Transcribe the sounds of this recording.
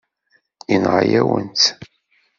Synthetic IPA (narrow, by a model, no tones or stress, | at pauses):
inʁajæwənt͡s̪